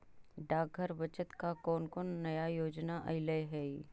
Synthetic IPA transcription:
ɖaːɡ̚ʱəɾʋət͡ʃət̪kakɔːnkɔːnːɐjajoːd͡ʒnaʔɐɪləjɦɛːi

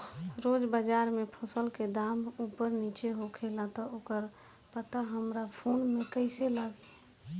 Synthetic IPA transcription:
ɾod͡ʒbəd͡ʒaːɾmepʰosəlked̪amuːpəɾnit͡ʃeɦokʰelat̪ɔokəɾ | pət̪aɦəmɾapʰoːnmẽkəɪselaɡe

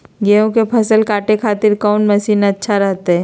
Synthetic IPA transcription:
ɡeːõkepʰɐsəlkaːʈekʰaːt̪ɪɾkɔːnmɐʃiːnɐtːʃʰaɾɛɦt̪eɦɛː

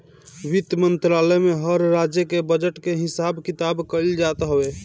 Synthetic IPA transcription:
ʋit̪jmənt̪ɾaləjmeɦəɾɾad͡ʒjəkebəd͡ʒəʈkeɦisabkit̪abkəld͡ʒat̪ɦəbe

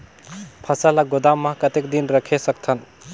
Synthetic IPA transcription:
pʰəsalaɡod̪amːakət̪ekd̪inɾəkʰesək̚t̪ʰən

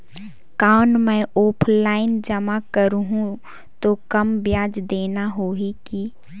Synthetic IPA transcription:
kaːnmɛ̃oːpʰlaːɪnd͡ʒəmakəɾuɦũ | t̪okəmbjaːd͡ʒd̪eːnaɦoːɦiki

